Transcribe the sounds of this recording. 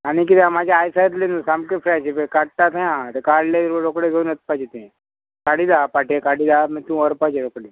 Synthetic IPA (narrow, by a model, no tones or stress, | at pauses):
anik̬it̪eãmad͡ʑʱaajsajd̪lenũsãmbkefɾãsipekaɽ̚ʈat̪ãjãt̪ekaɽleɾɾokɽeɡʱenət̪̚pad͡ʑet̪ẽ | kaɽid̪apaʈekaɽiːd̪amit̪ũːəɾpad͡ʑeɾokɽe